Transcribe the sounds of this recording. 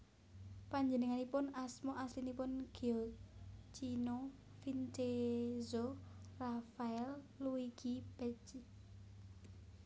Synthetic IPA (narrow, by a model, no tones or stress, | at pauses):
paɲd͡ʒənəŋanipʊnasmoʔaslinipʊnɡ̥iɔ | t͡ʃino | fintezorafaɛlːuiɡ̥ib̥ɛt͡ʃi